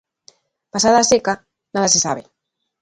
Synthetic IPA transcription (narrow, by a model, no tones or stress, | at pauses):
pasaðaːseka | naðasesa̰β̞e